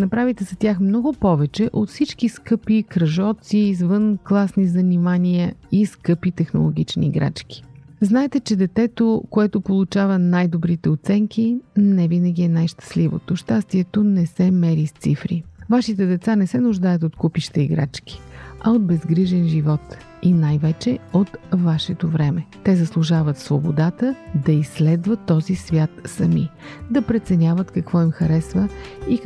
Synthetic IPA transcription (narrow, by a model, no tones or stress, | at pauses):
nɐpɾavit̪ɛzɐt̪ʲjaxmnɔɡʊpɔvɛt͡ʃɛʔot̪fsit͡ʃkiskɤpikɾəʒɔt̪siːzvɤnklˠasnizənimaniəiskɤpit̪ɛxno̰lˠoɡ̟it͡ʃnḭːɡɾa̰t͡ʃkʲi̥znaɛt̪ɛt͡ʃɛd̪ɛt̪ɛt̪okoɛt̪opolˠut͡ʃavənajd̪obɾit̪ɛot̪sɛŋk̟inɛvinəɡʲiɛnajʃt̪ə̥slivo̰t̪oʃt̪ast̪iɛt̪onɛsɛmɛɾist̪sifɾivaʃit̪ɛd̪ɛt̪sanɛsɛnʊʒd̪ajət̪ot̪kupiʃt̪ɐiɡɾa̰t͡ʃk̟i̥ɐod̪̚bɛzɡɾiʒɛnʒivɔt̪ | inajvɛt͡ʃɛot̪vaʃɛt̪ovɾɛmɛt̪ɛzəslˠuʒavət̪svobod̪at̪əd̪ɐisːlɛd̪vət̪ːɔzisvʲjat̪sɐmid̪ɐpɾɛt̪sɛnʲavət̪kɐkvɔimxɐɾɛsvəi